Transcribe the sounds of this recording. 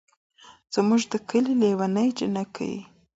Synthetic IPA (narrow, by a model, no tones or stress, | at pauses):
z̥muʒd̪əkəlilewanəjd͡ʒənakʰa̰wḭ